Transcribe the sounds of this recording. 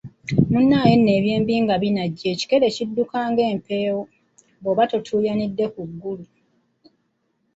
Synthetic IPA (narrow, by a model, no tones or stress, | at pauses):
munːaːje̞nːe̞ːβje̞ːmbiːŋɡaβinaɟːe̞ːci̥ke̞le̞cidːukaːŋɡe̞ːmpe̞ːwo | boβatotʰuːjanidːe̞kuɡːulu